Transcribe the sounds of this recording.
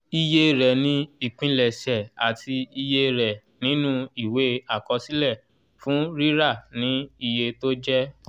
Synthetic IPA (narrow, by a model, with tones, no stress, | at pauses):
i˧je˧ɾɛ˨nĩ˦i˦˨k͡pĩ˧lɛ˨ʃɛ˨a˨tʰi˧i˧je˧ɾɛ˨ | nĩ˨˦nũ˦i˦˨we˨˦a˦˨kɔ˧si˦lɛ˦˨ | fũ˦ɾi˦ɾa˦˨nĩ˨˦i˧je˧to˦d͡ʒɛ˦